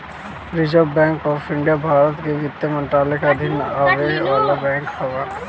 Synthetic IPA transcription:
ɾɪd͡ʒobɛ̃ːŋkɔfɪ̃ɳɖijabʱaːɾət̪keʋɪt̪jəmɐ̃ɳʈɾaːlekaɐd̪ʱɪnaːʋeaːlabɛ̃ːŋkhɐʋə

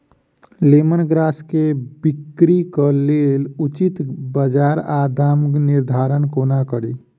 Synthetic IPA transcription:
lemənɡɾaskebikɾikəlelut͡ʃit̪bəd͡ʒaɾad̪ʱamniɾd̪ʱaɾənkonakəɾi

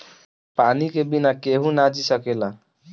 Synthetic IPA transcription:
panikebinakeɦũnad͡ʒisʌkela

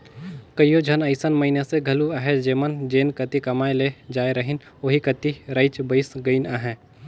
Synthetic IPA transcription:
kəjjod͡ʒʱɐnəɪsənmɐɪneseɡʱɐluaɦed͡ʒeːmənd͡ʒeːnkɐt̪ikɐmaːeled͡ʒaːjɾɐɦɪn | oɦikət̪iɾəɪt͡ʃbəɪsɡəɪnaːɦɛ̃

